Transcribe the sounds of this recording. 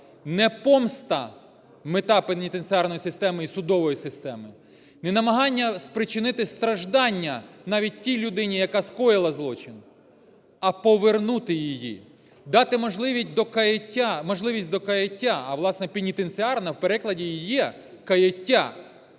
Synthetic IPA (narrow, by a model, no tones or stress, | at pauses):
nɛpɔmst̪ɐ̰ | mɪt̪ɑpenʲit̪ensʲɪɑrnɔjisɪst̪ɛmɪisʊd̪ɔʋɔjisɪst̪ɛmɪ | nɛnɐmɐɦɑnʲːɐspɾɪt͡ʃɪnɪt̪ɪst̪ɾɐʒd̪ɑnʲːɐnɑʋʲit̚ʲtʲːijlʲʊd̪ɪnʲijɐkɑskɔjɪlˠɐzlˠɔt͡ʃɪn | ɐpɔʋernut̪ɪjijḭ | d̪ɑt̪ɪmɔʒlˠɪʋʲisʲt̚ʲd̪ɔkɐjtʲamɔʒlˠɪʋʲisʲtʲd̪ɔkɐjɐtʲːaɐʋlˠɑsnɛpʲinʲit̪enʲt͡sʲɪɑrnɐwpeɾɪklˠɐdʲijijɛ | kɐjɐtʲːa